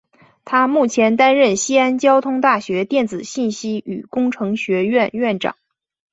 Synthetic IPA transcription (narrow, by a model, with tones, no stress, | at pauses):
t̪ʰa˥mu˥˩t͡ɕʰjɛ˧˥nt̪a˥nɻə˥˩nɕi˥a˥nt͡ɕjɑ˥ʊt̪ʰʊ˥ŋt̪a˥˩ɕɥɛ˧˥t̪jɛ˥˩nt͡sɹ̩˨˩ɕi˥˩nɕi˥y̰˨˩kʊ˥ŋʈ͡ʂʰɤ˧˥ŋɕɥɛ˧˥ɥɛ˥˧nɥɛ˥˩nʈ͡ʂɑ̰˨˩˦ŋ